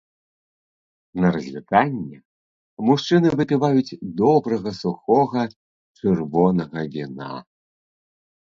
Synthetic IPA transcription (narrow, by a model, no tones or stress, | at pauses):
nɐɾɐzʲvʲit̪anʲːɛ | muʂt͡ʂɨnɨvɨpʲɨvajud͡zʲd̪ɔbɾɐɣɐsuxɔɣɐ | t͡ʂɨrvɔnɐɣɐvʲina̰